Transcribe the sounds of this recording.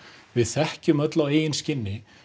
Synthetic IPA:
vɪðθɛhcʏmœt̪laweːjɪnscɪnːɪ

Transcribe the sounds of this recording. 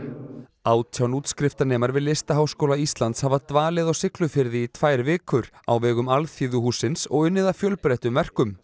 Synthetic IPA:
aːwt̪ʰjawnuːt̪skɾɪft̪anɛːmaɾvɪðlɪst̪aɦawskowlaist̪lant̪shavat̪vaːlɪðɔɣsɪklʏfɪɾðɪit̪ʰvaːjɾvɪːkʏɾa̰wvɛːɣʏmalθiːðʏhuːsɪnsɔ̰ɣʏnːɪðafjœlpɾɛjht̪ʏmvɛr̥kʏm

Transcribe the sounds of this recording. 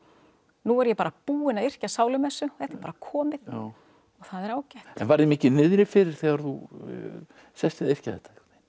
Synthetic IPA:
nuɛɾjɛpaːɾapuːɪnaðɪr̥casaːwlʏmɛsːʏθɛht̪ɪɾpaːɾakʰɔːmɪð | ɔɣθaðɛɾaːwcajht̪ɛnvaɾðɛmɪːcɪnɪðɾɪfɪɾɪɾ̥θɛːɣaɾθu | sɛst̪ɪðer̥caθɛt̪ʰːak̪nɪ̥

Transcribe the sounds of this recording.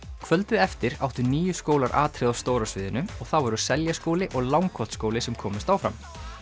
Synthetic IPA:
kʰvœlt̪ʏɛft̪ɪɾa̰wht̪ʏniːjʏskoːwlaɾʔa̰ːt̪ʰɾɪːðawst̪oːwɾasvɪːðɪnʏɔɣθawɛɾʏsɛljaskoːwlɪʔɔɣlawŋkʰɔ̥t̪skoːwlɪsɛmkʰɔːmɪst̪awfɾam

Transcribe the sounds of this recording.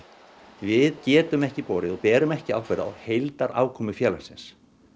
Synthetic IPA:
vɪðcɛːt̪ʏmɛhcɪpoːɾɪðɔɣpɛːɾʏmɛhcɪawkʰvɛːɾa̰whejlt̪aɾʔa̰ːwkʰɔːmʏfjɛːlḁsɪns

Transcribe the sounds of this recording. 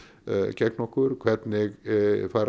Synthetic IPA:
cʰɛknɔhkʊɾkʰvɛɾt̪nɛɣfaːɾ

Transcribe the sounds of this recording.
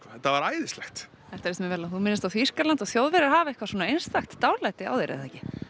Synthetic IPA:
ɔθɛt̪ːavaɾaːjðɪslɛxt̪ | ɛft̪aɾsɛmɛvɛːlaθumɪnːɪst̪awfir̥kalant̪aθjowðvɛɾɪɾhaːvaɛhkvḁsɔːnaejnst̪axt̪ːawlajt̪ɪa̰wðejɾʔɪ̰ðθɛhcɪ

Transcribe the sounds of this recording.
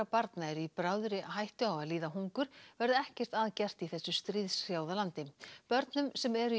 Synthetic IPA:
apaɾt̪naɛɾʏipɾaːwðʏɾɪaɦajht̪ʏawaðliːðaɦuŋkʏɾ̥vɛɾðʏɛhcɛr̥t̪aðcɛr̥t̪iθɛsːʏst̪ɾiːðsjaːwðalant̪ɪpœɾt̪nʏmsɛmɛɾʏ

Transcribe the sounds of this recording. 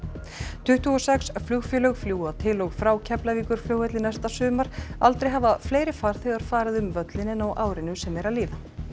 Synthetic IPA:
t̪ʰʏht̪uɔsɛksflʏɣfʏlœɣfljuːat̪ʰɪlɔɣfɾaːwcʰɛplaviːkʏɾ̥fljowhɛt̪lɪnast̪asʏːmaɾ̥alt̪ɾejɦavafleːjɾɪfaɾ̥θɛɣaɾ̥faːɾaðʏmvœt̪lɪnɪnawʔaːwɾɪnʏsɛmɛɾaliːða

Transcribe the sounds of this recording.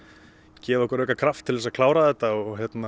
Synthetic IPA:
cɛːvaɛhkʏɾœhkːakʰɾaft̪ʰːɪlvɛs̬aðkʰlaːwɾaðɛt̪aɔɣɔɦjɛt̪na

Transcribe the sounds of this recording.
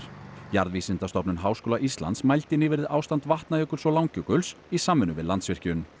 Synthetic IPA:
jaɾðvisɪnt̪ast̪ɔpnʏnɦaːwskoːlaʔist̪la̰nt̪smajlt̪ɪnɪːvɪɾɪðʔaːwst̪ant̪vaht̪naœːkʏɾ̥sɔlaːwŋcœkʏls | isaːmːʏnʏvɪ̰ðlant̪svɪr̥cʏn

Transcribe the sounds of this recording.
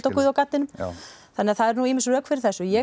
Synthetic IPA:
t̪awkʏðawkat̪ːɪnʏmθanːɪaθaðɛɾnuimɪnsœːkfɪɾɪɾ̥θɛsːʏjɛ

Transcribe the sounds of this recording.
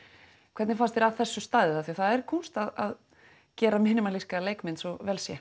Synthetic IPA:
kʰvɛɾt̪nɪfast̪ɛɾaðθɛsːʏst̪aːðɪθaθiaθaðɛɾkʰɔwnst̪aða̰ð | cɛːɾamɪːnʏmaliskaleːjkmɪnsɔvɛːlsjɛ

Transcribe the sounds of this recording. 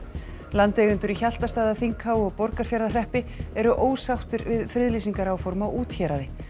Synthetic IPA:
lant̪ɛɣʏnt̪ʏɾiçal̥t̪ast̪aːðaθiŋkhaːwɔɣpɔɾkaɾ̥fjaɾðar̥ɛhpɪɛɾʏʔoːwsawt̪ʏɾvɪðfɾɪðliːsiŋkaɾawfɔɾmawuːt̪çɛɾaðɪ

